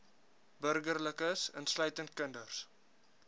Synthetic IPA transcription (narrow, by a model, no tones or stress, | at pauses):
bərɡərləkəsə̰nslœɥtənt̚kəndərs